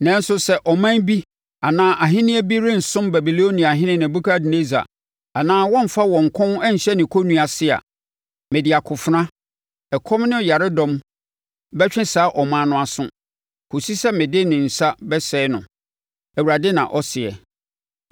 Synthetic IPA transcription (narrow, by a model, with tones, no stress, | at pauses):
nã˦n̩˦sʊ˦sɛ˦ʔɔ˨mã˦n˦bi˦ | a˨nãː˦ʔa˨ɦɪ̃˦nɪ̃˦æ˦bi˦ɾɪ̃˦n̩˨sʊ̃˦mbæ˨bi˨lo˦nĩ˨a˨ɦɪ̃˦nɪ̃˦nɪ̃˨bu˦kʰa˦dɪ˨ne˦za̰˨ | a˨nãː˦wɔ̃˦m˨fa˦wɔ̃˨ŋ̩˨kʰʊ̃˦nɛ˦ɲ̩˨ɕɛ˦nɪ̃˨kʰo˦nũ˦a˨sɪ˦a̰˨ | mɪ̃˨dɪ˨a˨kʰʊ˨fʊ˨ɾã˦ | ɛ˨kʰɔ̃˦mnɪ̃˦˨ja˨ɾɪ˦dɔ̃˦m | bɛ˦t͡ɕᶣɪ̃˦saː˨˦ʔɔ˨mã˦nʊ̃˦a˨sʊ̰̃˦ | kʰo˨si˦sɛ˦mɪ̃˨dɪ˦nɪ̃˨n̩˨sa˦bɛ˦sɛː˦nʊ̰̃˨ | æ˨wu˨ɾa˨dɪ˦nã̰˨ʔɔ˦sɪ˨ɛ̰˨